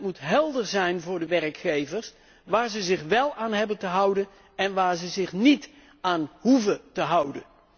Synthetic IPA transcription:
tmutɦɛlˠdəɹzɛjnvʊːɹdəʋɛrkχejvəɹs | ʋaːɹzəzɪχʋɛlˠaːnɦɛbəntəɦʌwdən | ɛnʋaːɹzəzɪχnit | aːnhuvətəɦʌwdə̰n

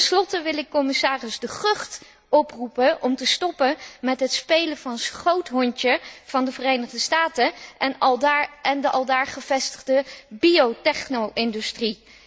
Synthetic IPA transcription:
tɛnslɔtəʋɪlɪkːɔmɪsaːrəsdəχɵχt | ɔprupəʔɔmtəstɔpəmɛtɦətspejlənvɑnsχowtɦɔɲtəv̥ɑndəvərejnəχdəstaːtəʔɛn | ɛndəʔɑlˠdaːɹχəv̥ɛstəχdəbiowtɛχnowʔɪndystri

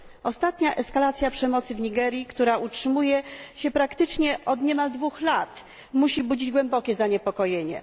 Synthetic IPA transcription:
ɔst̪at̪ɲaʔɛskalat̪sʲjapʂɛmɔt̪sɘvɲiɡɛɾjikt̪uɾaʔutʂɘmujɛɕɛpɾakt̪ɘt͡ʂɲɛʔɔd̪ɲɛmald̪vuxlat̪ | muɕibud͡ʑid͡ʑɡwɛmbɔkʲɛzaɲɛpɔkɔjeɲɛ̰

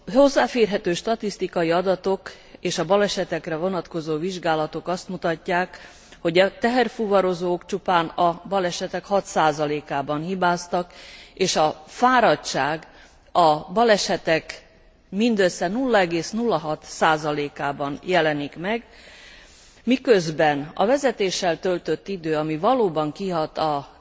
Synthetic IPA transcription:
ho̞zːaːfeːrɦɛt̪øːʃt̪ɒt̪ist̪ikɒjiɒd̪ɒt̪o̞k | eːʃɒbɒlɛʃɛt̪ɛkrɛvo̞nɒt̪ko̞zoːviʒɡaːlɒt̪o̞kɒst̪mut̪ɒcːaːk | ho̞ɟɛt̪ɛɦɛrfuvɒɾo̞zoːkt͡ʃupaːnɒbɒlɛʃɛt̪ɛkhɒt̪saːzɒleːkaːbɒnhibaːst̪ɒkeːʃɒfaːɾɒtt͡ʃaːɡ | ɒbɒlɛʃɛt̪ɛk | mind̪øsːɛnulːɒɛɡeːsnulːɒɦɒt̪saːzɒleːkaːbɒnjɛlɛnikmɛɡ | mikø̞zbɛnɒ̰vɛzɛt̪eːʃːɛlt̪ølt̪ø̞t̪ːid̪øːɒmivɒloːbɒŋkiɦɒt̪ɒ

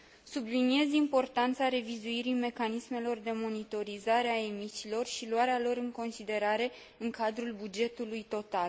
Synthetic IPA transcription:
sublinie̞zimpo̞rt̪ant̪saɾe̞vizuiɾime̞kanisme̞lo̞rd̪e̞mo̞nit̪o̞ɾizaɾeae̞misilo̞rʃiluaɾealo̞ɾɨŋko̞nsid̪e̞ɾaɾe̞ | ɨŋkad̪ɾulbud͡ʒe̞t̪ulujt̪o̞t̪al

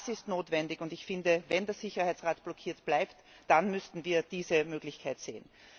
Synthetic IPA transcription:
sɪstnoːtvɛndɪçʊndɪçfɪndəvɛndeːɐz̥ɪçɐhaɪt͡sʁaːtb̥lɔkʰiːɐtb̥laɪpt | d̥anmʏstn̩viːɐd̥iːzəmøːɡlɪçkʰaɪtz̥ḛːn

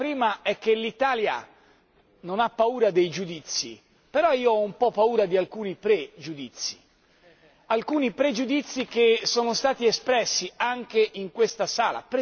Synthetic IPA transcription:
pɾiːmaɛk̟ːelit̪aːlja̰ | nonapːauːɾad̪ejd͡ʒud̪it̪sːḭ | peɾɔiːoɔumpɔpːauːɾad̪ialkuːnipɾed͡ʒud̪it̪sːḭ | alkuːnipɾed͡ʒud̪it̪sːik̟esːoːnost̪aːt̪iespɾɛsːiaŋk̟eʔiŋkwest̪asaːla̰pɾe

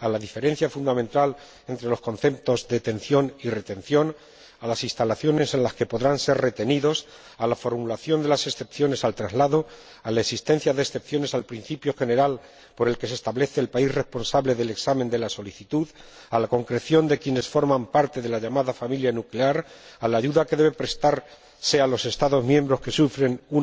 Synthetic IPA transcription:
alaðife̞ɾẽ̞n̟θjafund̪amẽ̞nt̪al | e̞nt̪ɾe̞lo̞sko̞nθe̞p̚t̪o̞zðet̪e̞nθjo̞nire̞t̪ẽ̞n̟θjo̞n | alasist̪alaθjo̞ne̞se̞nlaske̞po̞ðɾanse̞rre̞t̪e̞niðo̞s | alafo̞ɾmulaθjo̞nd̪e̞lase̞sθe̞pθjo̞ne̞salt̪ɾazlaðo̞ | alaesist̪e̞n̟θjaðesθe̞p̚θjo̞ne̞salpɾin̟θipjo̞xe̞ne̞ɾal | po̞ɾe̞lke̞sest̪aβle̞θe̞ːlpaisre̞spo̞nsaβle̞ðe̞leksamẽ̞nd̪e̞laso̞liθit̪uð | alako̞ŋkɾe̞θjo̞nd̪e̞kje̞ne̞sfo̞ɾmãmpaɾt̪e̞ðe̞laʝamaðafamiljanukle̞aɾalaːʝuðake̞ðe̞βe̞pɾe̞st̪aɾ | se̞alo̞se̞st̪aðo̞zmjẽ̞mbɾo̞ske̞sufɾe̞nu

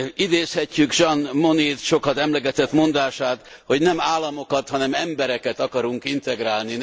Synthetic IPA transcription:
id̪eːshɛcːyɡʒɒnmo̞nit̪ʃo̞kɒt̪ɛmlɛɡɛt̪ɛt̪mo̞nd̪aːʃaːt̪ | ho̞ɟnɛmaːlːɒmo̞kɒt̪hɒnɛmɛmbɛɾɛkɛt̪ɒkɒɾuŋkint̪ɛɡɾaːlni

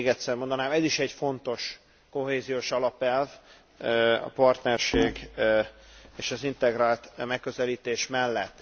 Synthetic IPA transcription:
ɡɛt̪sɛrmo̞nd̪ɒnaːmɛziʃɛɟfo̞nt̪o̞ʃ | ko̞ɦeːzijoːʃɒlɒpɛlv | ɒ̰pɒrt̪nɛrʃeːɡ | eːʃɒzint̪ɛɡraːlt̪mɛkːøzɛliːt̪eːʃmɛlːɛt̪ː

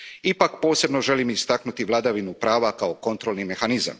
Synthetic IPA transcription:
ipakpo̞ːse̞bno̞ʒe̞limist̪aknut̪iʋlˠad̪aʋinupɾaːʋakao̞ko̞nt̪ɾo̞lˠnime̞xaniza̰m

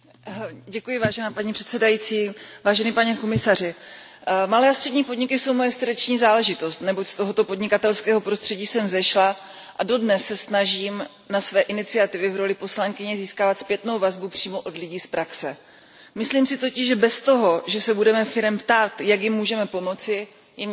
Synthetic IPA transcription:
ɟɛkujɪvaːʒɛnaːpaɲipr̥ɛ̥t̪sɛdajiːt͡siːvaːʒɛnɪpaɲɛko̞mɪsar̝ɪ | malɛːast̪r̥ɛdɲiːpo̞dɲɪkɪso̞wmo̞jɛsrdɛt͡ʃɲiːzaːlɛʒɪt̪o̞st̪nɛbo̞cst̪o̞ɦot̪o̞po̞dɲɪkat̪ɛlskɛːɦo̞pɾo̞st̪r̥ɛɟiːsɛmzɛʃla | ʔado̞dnɛsːɛsnaʒiːm | nasvɛːʔɪnɪt͡sɪat̪ɪvɪvɾo̞lɪpo̞slaŋkɪɲɛziːskaːvat̪spjɛt̪no̞wvazbupr̝̥iːmo̞ʔo̞dlɪɟiːspɾaksɛ | mɪsliːmsɪt̪o̞cɪʒʒɛbɛst̪o̞ɦo̞ʒɛsɛbudɛmɛfɪɾɛmpt̪aːt̪jakjɪmːuːʒɛmɛpo̞mo̞t͡sɪ | jɛm

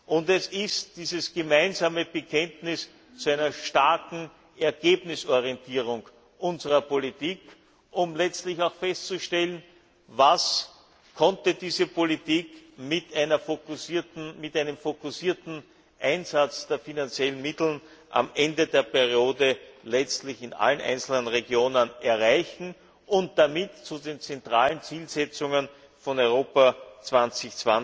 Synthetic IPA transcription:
ʔʊntɛsɪstd̥iːzəsɡ̥əmæɪnzaːməb̥əkʰɛntnɪs | t͡suæɪnɐʃtaɐkŋ̩ | ɛɐɡ̥eːbnɪsɔɐʁiɛntʰiːʁ̞ʊŋ | ʔʊnzəʁɐpolitiːk | ʔʊmlɛt͡stlɪçaʊxfɛstt͡suʃtɛlən | vas | kʰɔntədiːzəpʰolitiːkmɪtæɪnɐfokʊsiːɐtn̩mɪtæɪnəmfokʊsiːɐtn̩ | ʔæɪnzat͡sd̥eːɐfinant͡sjɛln̩mɪtl̩n̩ | ʔa̰mʔɛndədeːɐpɛʁioːdəlɛt͡stlɪçɪnʔa̰lənʔæ̰ɪnt͡sl̩nənʁeɡjoːnənɛɐʁæɪçn̩ | ʔʊnt̚d̥amɪtt͡sudeːnt͡sɛntʁaːlənt͡siːlzɛt͡sʊŋən | fɔnɔʏʁoːpat͡sv̥ant͡sɪçt͡sv̥a

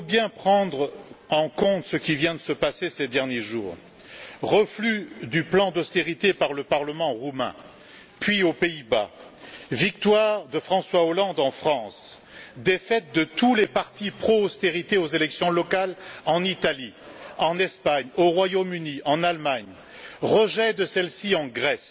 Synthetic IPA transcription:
bjɛ̃pχɑ̃d̪ʁɑ̃kɔ̃t̪səkʲivjɛ̃d̪əsəpasesed̪ɛʁnjeʒuːʁ | ʁəflyd̪yplɑ̃d̪ɔst̪eʁit̪epaʁləpaʁləmɑ̃ʁumɛ̰̃ | pɥiopeiba | vik̚t̪waʁd̪əfχɑ̃swaolɑ̃d̪ɑ̃fχɑ̃s | d̪efɛt̪̚d̪ət̪ulepaʁt̪ipχoːst̪eʁit̪eozelɛksjɔ̃lɔkalɑ̃nit̪ali | ɑ̃nɛspaɲoʁwajomyniʔɑ̃nalmaɲ | ʁəʒɛd̪əsɛlsiɑ̃ɡʁɛs

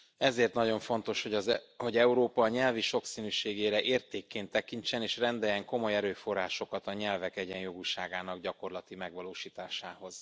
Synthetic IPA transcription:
ɛzeːrt̪nɒɟo̞ɱfo̞nt̪o̞ʃhoho̞ɟɛuɾoːpɒɲɛlviʃo̞ksiːnyːʃeːɡeːɾɛʔeːrt̪eːkːeːnt̪ːɛkinɲt͡ʃɛneːʃrɛnd̪ɛjɛŋko̞mo̞jɛɾøːfo̞rːaːʃo̞kɒt̪ɒɲɛlvɛkɛɟɛnjo̞ɡuʃaːɡaːnɒɡɟɒko̞rlɒt̪imɛɡʋɒloːʃiːt̪aːʃaːho̞z̥

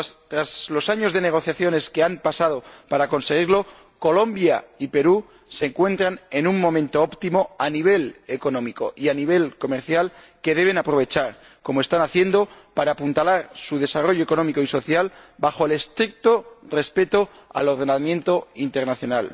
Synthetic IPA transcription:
t̪ɾazlo̞saɲo̞zðe̞ne̞ɣ̞o̞θjaθjo̞ne̞skeampasað̞o̞paɾako̞nse̞ɣ̞iɾlo̞ | ko̞lõ̞mbjaipe̞ɾu | seŋkwe̞nt̪ɾane̞nuŋmõ̞mẽnt̪o̞opt̪imo̞aniβ̞e̞le̞ko̞nõ̞miko̞̰ʔianiβ̞e̞lko̞me̞ɾθjal | ke̞ðe̞β̞e̞napɾo̞βe̞t͡ʃaɾ | ko̞moe̞st̪anaθje̞nd̪o̞paɾapunt̪alaɾsuð̞e̞saro̞ʝoeko̞nõ̞miko̞iso̞θjalbaxo̞ele̞st̪ɾik̚t̪o̞re̞spe̞t̪o̞ | a̰lo̞ɾð̞e̞namjẽ̞nt̪o̞int̪e̞ɾnaθjo̞nal

